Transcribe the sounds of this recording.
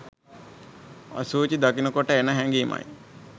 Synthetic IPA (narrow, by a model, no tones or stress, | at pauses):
ɐ̰suːt͡ʃid̪akinəkoʈəenəɦɛŋɡiːmɐ̰j